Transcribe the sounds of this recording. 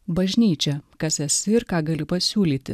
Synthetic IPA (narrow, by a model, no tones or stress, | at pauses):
bɐʒʲnʲiːt͡ʃʲɛkɐsɛsʲɪɪɾkɑːɡɐlʲɪpɐsʲuːlʲiːt̪ʲɪ̰